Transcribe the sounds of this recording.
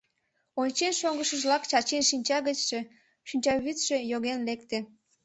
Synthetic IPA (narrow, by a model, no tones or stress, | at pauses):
onʲt͡ɕenʃoŋɡəʃəʒlɑkt͡ɕɑt͡ɕenʃinʲt͡ɕɑɣət͡ɕʃe | ʃinʲt͡ɕɑβyt̪ʃe̽joɣenlek̚t̪e